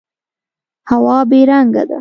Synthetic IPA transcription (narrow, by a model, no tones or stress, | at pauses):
hawɑbeɾaŋɡa̰d̪a̰